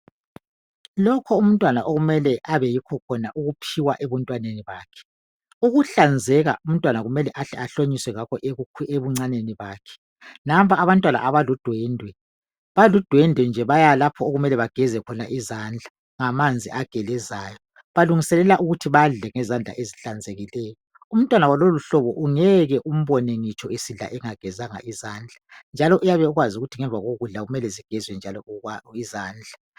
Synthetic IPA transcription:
lɔkʰɔum̩ntʼwanaʔoɣumɛlɛʔaβɛjikʰɔkʰɔnaʔuɣupʰiwaʔɛβɔntʼwaneniβaːkʰɛ̥ | uɣuɬand͡zʱɛɣa̰ʔum̩tʼwanaɣumɛlɛʔaɬɛaɬoɲiswɛɣakʰɔʔeeβuŋ͡ǀaneniβaːkʰɛ̥ | nampaaβantʼwana̰ʔaβalud̥ʱwɛndʱwɛ | βalud̥ʱwɛndʱwɛnd͡ʒʱɛβajalapʰɔoɣumɛlɛβaɡ̥ʱɛzɛkʰɔna̰ʔizand͡ɮʱa | ŋamand͡zʱiʔaɡ̥ʱɛlɛzaːjɔ | βaluŋisɛlɛlaʔuɣutʰiβaɮɛŋɛzand͡ɮʱa̰ʔeziɬand͡zʱeɣilɛːjɔ | um̩tʼwanawaloluɬɔβɔʔuŋɛɣɛʔum̩βɔneŋit͡ʃʰʼɔesiɮa̰ʔɛŋaɡ̥ʱɛzaŋa̰ʔizaːnd͡ɮʱand͡ʒʱalɔʔujaβɛuɣwazuɣutʰiŋɛɱvaɣoɣuɮaɣumɛlɛziɡ̥ʱɛzwɛnd͡ʒʱalɔizaːnd͡ɮʱa

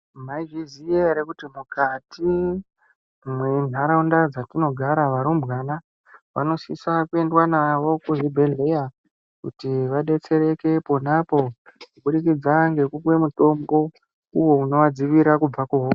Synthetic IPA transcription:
m̤aivizieɾekutimukatʰi | mwen̤ʱaɾaundad͡zatino̞ɡʱaɾaʋaɾumbɣana | ʋa̰no̞sisakue̞ndwanawo̞kuʐibʱe̞neja | kṵtiʋaɗe̞t͡se̞ɾe̞ke̞po̞napo̞kuɓuɗikid͡zaŋɡe̞kukwe̞muto̞mbo̞ | uwo̞uno̞ʋad͡ziʋiɾakub͡vakuɦo

